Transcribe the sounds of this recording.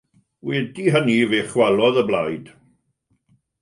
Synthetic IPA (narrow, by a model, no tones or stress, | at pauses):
wɛdiɦəniveːχwalˠɔðəblajd̥